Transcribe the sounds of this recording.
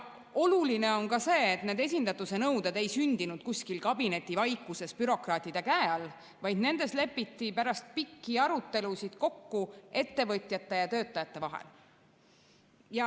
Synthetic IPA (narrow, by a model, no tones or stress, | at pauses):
o̞luline̞o̞nkɑse̞ːt̪ne̞ːd̪e̞s̬ʲind̪ɑt̪ːˑuse̞nɤwd̪ed̪e̞jsynʲd̪̥inud̪̥̚kusʲkilkɑbine̞t̪ːˑivɑjkːˑuse̞spyɾo̞krɑːt̪ːˑid̪̥ekæeɑl | vɑjd̪ne̞nd̪̥e̞sle̞pːˑit̪ːipæɾɑst̪̚pikːiɑɾut̪ːe̞lusid̪̥ko̞kːue̞t̪ːe̞vɤt̪ʲˑjɑt̪ːe̞jɑt̪øːt̪ːˑɑjɑt̪ːe̞vɑɦḛl | jɑ